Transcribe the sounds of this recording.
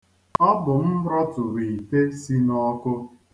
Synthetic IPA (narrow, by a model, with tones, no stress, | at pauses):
ɔ˦bʊ˨m̩˦ɾɔ˦tʊ˨ɾi˨te˦si˦nɔ˦kʊ˦